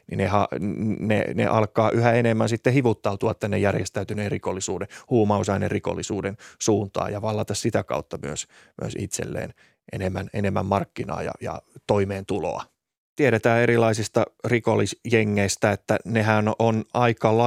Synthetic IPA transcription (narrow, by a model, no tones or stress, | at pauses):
nḭnehɑnḛnḛʔɑlkɑːʔyhæenemːænsit̪ːehiʋut̪ːɑut̪uɑt̪t̪ːænːejærjest̪æyt̪yneːrikolːisuːdehuːmɑusɑinḛrriko̰lːisuːdensuːnt̪ɑ̰ːjɑʋɑlːɑt̪ɑssit̪ækɑ̰ut̪ːɑmyøs | myø̰sḭt̪sḛlːḛːn | ʔḛnemːænenemːæ̰mmɑrkːinɑ̰ːjɑ̰jɑ̰t̪oimeːnt̪ulo̰ɑ̰ | t̪ieɾet̪æːeɾilɑisist̪ɑrikolːisjeŋːeist̪æet̪ːænehænonɑikɑlɑ